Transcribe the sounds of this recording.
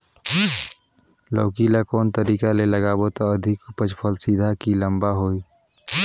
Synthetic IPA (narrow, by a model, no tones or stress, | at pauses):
lɔːkilakɔːnt̪əɾiːkaleləɡaːbot̪oəd̪ʱɪkpəd͡ʒpʰəlsid̪ʱakilə̃mbaɦoːiː